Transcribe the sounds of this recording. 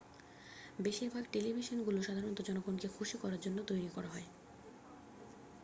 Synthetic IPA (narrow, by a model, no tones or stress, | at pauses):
beʃiɾbʱaɡʈelibʱiʃonɡuloʃad̪ʱaɾonot̪od͡ʑɔnoɡonkekʰuʃikɔɾaɾd͡ʑonːot̪ojɾikɔɾaɦɔe